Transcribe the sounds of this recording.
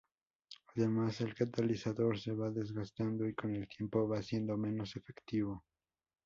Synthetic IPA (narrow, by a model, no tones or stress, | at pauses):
aðe̞mase̞lkat̪alisaðo̞ɾse̞βaðe̞zɣast̪and̪o̞iko̞ne̞lt̪je̞mpo̞βasje̞nd̪o̞me̞no̞se̞fe̞kt̪iβ̞o̞